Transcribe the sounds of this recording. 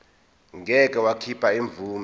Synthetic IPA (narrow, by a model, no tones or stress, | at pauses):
ŋʱɛk̬ʼɛwakʰipʰaiɱb̪vʱuːm